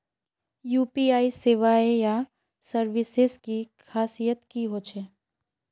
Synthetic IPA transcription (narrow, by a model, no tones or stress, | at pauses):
juːpiaːiseːʋaːeja | səɾʋɪseskikʰaːsijət̪kiɦoːt͡ʃʰeː